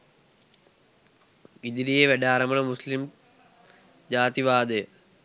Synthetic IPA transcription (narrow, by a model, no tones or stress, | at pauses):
id̪iɾijeʋeɖaːɾɐmɐɳɐmuslim | d͡ʑaːt̪iʋaːd̪ej